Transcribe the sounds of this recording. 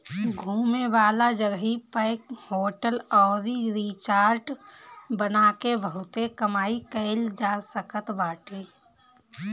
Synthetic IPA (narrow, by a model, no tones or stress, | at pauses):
ɡʱuːmeʋaːlad͡ʒəɡɦipəɪkhoːʈəlɔːɾiɾit͡ʃaːɾʈbənakebəɦʊt̪ekəmaːikəɪld͡ʒasəkət̪baːʈeː